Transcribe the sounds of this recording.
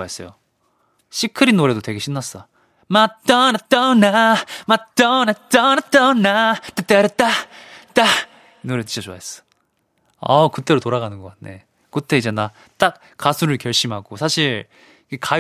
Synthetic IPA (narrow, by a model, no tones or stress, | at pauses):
aes͈ʌjo | ɕʰikʰɯɾinːoɾe̞dotwe̞ɡe̞ɕʰinːas͈ʌ | mat͈ʌnat͈ʌnamat͈ʌnat͈ʌnat͈ʌnat͈et͈ːeɾet͈at͈a | noɾetɯ̥ɕʰʌt͡ɕoa̰ɦes͈ʌ̥ | ʌkɯt͈e̞ɾotoɾaɡanɯnɡʌk͈atne̞̰ | kɯtʰe̞id͡ʑe̞na | t͈ak̚ | k͈asʰuɾɯɭkjʌɭɕ͈imɦaɡosʰaɕʰiɾ | ikeka